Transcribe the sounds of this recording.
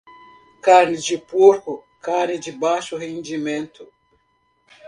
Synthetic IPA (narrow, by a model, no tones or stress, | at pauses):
kaɾnid͡ʒipuɾkɔ | kanid͡ʒibaːʃɔhind͡ʒimɛnt̪u